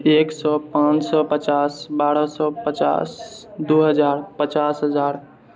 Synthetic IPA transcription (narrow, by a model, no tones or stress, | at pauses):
eːksɔːpãːt͡ʃsɔpət͡ʃaːsbaːɾɔsɔːpət͡ʃa̰ːsd̪uːɦəzaːɾpət͡ʃaːsɦəzaːɾ